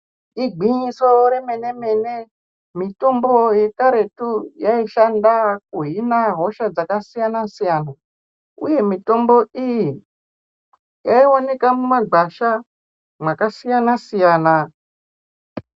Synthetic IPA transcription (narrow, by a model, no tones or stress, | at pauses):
iɡʱiɲiso̞ɾe̞me̞ne̞me̞ne | mito̞mbo̞je̞kaɾe̞tujaiʃandak̚uɦinaɦo̞ʃad͡zakasijanasijana | ṵje̞mito̞mbo̞iji | jaione̞kamumaɡ͡ǃaʃa | mwakasijanasijaːna